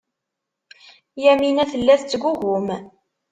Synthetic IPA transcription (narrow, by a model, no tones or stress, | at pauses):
jæminæθəlːæθt͡sːɡʷuʝʊm